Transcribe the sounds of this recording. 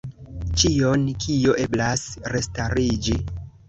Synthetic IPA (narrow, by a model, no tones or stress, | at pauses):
t͡ʃio̞nkʰijo̞ʔe̞blasɾe̞staɾid͡ʒi